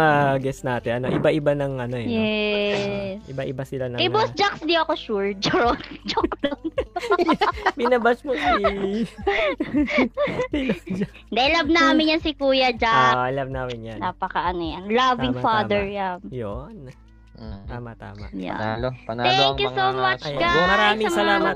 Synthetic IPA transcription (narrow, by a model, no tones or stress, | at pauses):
ɐɡɛst̪naːt̪ɛʔɐno̰ʔɪ̰baʔɪbanɐŋʔɐnojjɛ | sʔɪ̰baʔɪbasɪlanɐkɐjbosd͡ʒaksd̪ioɐkoʃuɹd͡ʒoɹod͡ʒok̚d̪on | bɪnɐbasmosi | d͡ʒ̪ | d̪ɛʔlabnaːmɪnjɐnsɪkuːjɐd͡ʒalab̚naːmɪnjɐnaːpɐkɐʔɐnojɐnlavɪ̃ŋfad̪ɛɹjamjon | t̪aːma̰t̪a̰ːma̰ja̰t̪ɛŋkjusowmɐt͡ʃɡamɐɾaaːmɪsɐsɐlaːmɐt̪